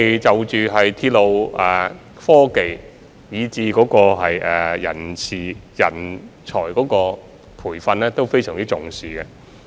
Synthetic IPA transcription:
e˨jt͡sɐ˨˩wt͡ʃyː˨ɦɐ˨jt̪ʰiː˧˥t̚lo˨˧wʔɛː˨ | fɔː˥ke˨j | jiː˨˧t͡siː˧kɔː˨˥kɔː˧ɦɐ˨jʔɛː˨ɐ̰˨˩nt͡sʰiː˨jɐ˨˩nt͡ʃʰɔː˨˩jkɔː˨˥kɔː˧ | pʰuː˨˩jfɐ˧nlɛː˥t̪o˥wfe˥jsœː˨˩ŋt͡si˥t͡sʊ˨˩ŋsiː˨kɛ˧

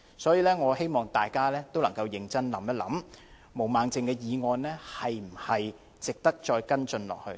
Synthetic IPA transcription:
sɔː˨˥jiː˨˧lɛː˥ŋɔː˨˧ɦe˥jmɔː˨ŋt̪aː˨jkaː˥lɛː˥t̪o˥wlɐ˨˩ŋkɐ˧wjɪ˧ŋt͡sɐ˥nlɐ˨˥mjɐ˥t̚lɐ˨˥m | mo˨˩wmaː˨˧ŋt͡sɪ˨ŋkɛː˧jiː˨˧ŋɔː˧nlɛː˥hɐ˨jm̩˨˩hɐ˨j | t͡sɪ˨k̚t̪ɐ˥k̚t͡ʃɔː˧jkɐ˥nt͡sɵ˧nlɔ̰ː˨k̚hɵ̰˧ɥ

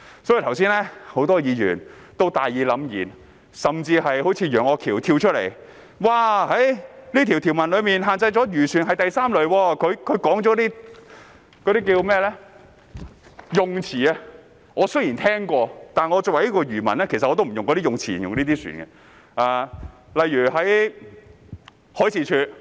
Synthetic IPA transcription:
sɔː˨˥ji˧˩t̪ʰws̬iː˥nlɛː˥ho˨˥wt̪ɔː˥jiː˨˧jyː˨˩n | t̪wt̪aː˨jiː˨˧lɐ˨˧˥mjḭː˨˩n | sɐ˨mt͡siː˧hɐ˨jho˨˥wt͡sʰiː˧jœː˨˩ŋɔː˨˧kʰiː˨˩wt̪ʰiː˧wt͡ʃʰɵ˥t̚lḛ˨˩j | waː˧˩hɐ˨˥jliː˥t̪ʰi˨˩wt̪ʰiː˨˩wmɐ˨nlɵ˨˧miː˨˩nɦaː˨nt͡sɐ˧jt͡ʃɔː˨˥jyː˨˩syː˨˩nɦɐ˨jt̪ɐ˨jsaː˥mlɵ˨ɥwɔː˧kʰɵ˨˧ɥkʰɵ˨˧ɥkɔː˨˥ŋt͡sɔː˨˥t̪iː˥ | kɔː˨˧ɾi˥k̬iː˧wmɛː˥˩lɛ˥ | jʊ˨ŋt͡sʰiː˨˩ɐ˧ | ŋɔː˨˧sɵ˥ɥjiː˨˩nt̪ʰɛː˥ŋkʷɔː˧t̪aː˨nŋɔː˨˧t͡sʊ˨wɐ˨˩jiː˥kɔː˧ɥyː˨˩mɐ˨˩nlɛː˥kʰe˨˩sɐ˨ɔː˧t̪̬m̩˨˩˨jʊ˨ŋkɔ˨˧˥iː˥jʊ˨ŋt͡sʰiː˨˩˨jʊ˨ŋliː˥t̪iː˥sy̰ː˨˩nɡɐ˧ | aː˧ | lɐ˨jːyː˨˩ɦɐ˨˥j | hɔː˨˥jt͡sʰiː˨˧t͡ʃʰyː˧t̚

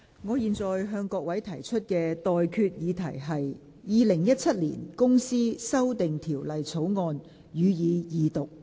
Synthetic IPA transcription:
ŋɔː˨˧jiː˨nt͡sɔː˨jɦœː˧ŋkɔː˧k̚wɐ˨˥jt̪ʰɐ˨˩jt͡ʃʰɵ˥t̚kɛː˧t̪ɔː˨jkʰyː˧t̚jiː˨˧t̪ʰɐ˨˩jɦɐ˨j | jiː˨˧lɪ˨˩ŋjɐ˥t̚t͡sʰɐ˥t̚lḭː˨˩nkʊ˥ŋsiː˥sɐ˥wt̪ɪ˨ŋt̪ʰiː˨˩wlɐ˨jt͡sʰo˨˥wŋɔː˧n | jyː˨˧jiː˨˧jiː˨t̪ʊ˨k̚

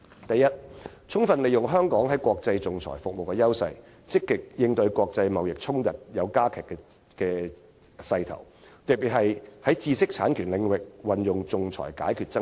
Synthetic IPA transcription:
t̪ɐ˨jɐ˥t̚ | t͡sʰʊ˥ŋfɐ˨nle˨jʊ˨˩ŋɦœː˥ŋkɔː˨˥ŋɦɐ˨˥jkʷɔː˧k̚t͡sɐ˧jt͡sʊ˨ŋt͡sʰɔ̰ː˨˩jfʊ˨k̚mo˨wkɛː˧jɐ˥wsɐ˧j | t͡sɪ˥kːɪ˨k̚jɪ˧ŋt̪ɵ˧ɥkʷɔː˧k̚t͡sɐ˧jmɐ˨wjɪ˨k̚t͡sʰʊ˥ŋt̪ɐ˨t̚jɐ˨˧wkaː˥kʰɛː˨˩kːɛ˧ | kɛː˧ | sɐ˧jt̪ʰɐ̰˨˩w | t̪ɐ˨˩k̚pi˨t̚hɐ˨jhɐ˨˥jt͡siː˧sɪ˥k̚t͡sʰaː˨˥nkʰyː˨˩nlɪ˨˧ŋwɪ˨k̚wɐ˨njʊ˨ŋt͡sʊ˨ŋt͡sʰɔ̰ː˨˩jka̰ː˨˥jkʰyː˨˩t̚t͡sɐ˥

